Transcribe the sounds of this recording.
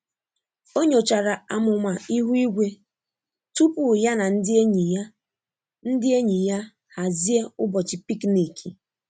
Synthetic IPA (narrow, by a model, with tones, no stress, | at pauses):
o˦ɲo˨t͡ʃa˨ɾa˨a˨mʊ˨ma˨i˦ɦu˦i˦ɡʷe˦ | tu˦pu˨ja˦na˨n̩˦dɪ˦e˦ɲi˨ja˦ | n̩˦dɪ˦e˦ɲi˨ja˦ | ha˨zi˦e˦ʊ˦bɔ˨t͡ʃɪ˨pi˦kni˨kʰi˨